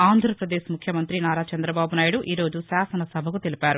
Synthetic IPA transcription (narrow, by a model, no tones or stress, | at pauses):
aːnd̪ʱɾɐpɾɐd̪e̞ːʃmukʰjɐmɐnt̪ɾinaːɾaːt͡ʃɐnd̪ɾɐbaːbunaːjiɽuʔiːɾo̞ːd͡ʒusaːsɐnɐsɐbʱɐkut̪elipaːɾu